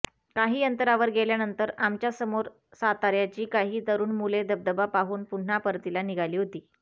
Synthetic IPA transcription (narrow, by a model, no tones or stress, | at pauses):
kaɦiːənt̪əɾaʋəɾɡeljanənt̪əɾamt͡ɕjasəmoɾ | sat̪aɾjat͡ɕiːkaɦiːt̪əɾuːnmuled̪əb̚d̪əbapaɦuːnpun̤ːapəɾt̪ilaniɡʱaliːɦot̪iː